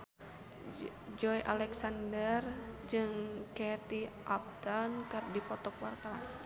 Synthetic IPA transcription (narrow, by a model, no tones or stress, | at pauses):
d͡ʒɔjʔalɛksandərd͡ʒɨŋkɛt̪iʔap̚t̪ankɨrdipɔt̪ɔkwart̪aɾa̰n